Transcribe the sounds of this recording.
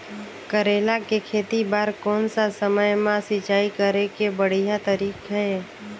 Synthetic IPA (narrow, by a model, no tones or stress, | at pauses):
kəɾeːlakekʰeːt̪ibaːɾkɔːnsasəməjmãsɪt͡ʃaːikəɾekebəɽ̤ijat̪əɾiːkɦɛː